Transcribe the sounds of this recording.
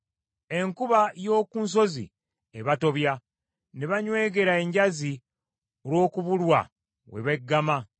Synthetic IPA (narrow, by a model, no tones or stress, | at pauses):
e̞ŋkuβajo̞ːkuːns̬o̞zḭ | eβato̞βja | neβaɲwe̞ːɡe̞ɾae̞ɲɟazi | oɾwo̞ːkuβulwa̰ | we̞̰βeɡːama